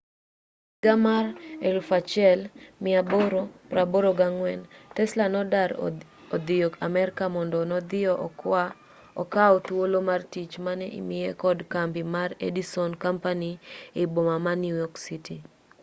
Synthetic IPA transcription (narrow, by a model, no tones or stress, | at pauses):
ɡamarelfat͡ʃɛlmɪaboɾopɾaboɾoɡaŋwɛntɛslanɔdaɾ | ɔd̪ɪjɔkamɛɾkamɔndɔnɔd̪ɪa | ɔkaɔt̪wolomartit͡ʃmanɛḭmɪjekɔdkampimarḛdisɔnkampaniɪbomamanjujɔksiti